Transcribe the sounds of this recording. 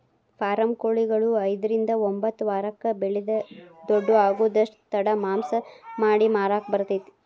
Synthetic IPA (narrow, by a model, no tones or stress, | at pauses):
paːɾɐmkoːɭiɡɐɭuɐjd̪ɐɾind̪ɐombɐt̪ːuʋaːɾɐkːɐbeɭid̪ɐd̪oɖːuaːɡuːd̪ɐʂʈt̪ɐɽɐmaːmsɐmaːɽimaːɾaːkbɐɾt̪it̪ː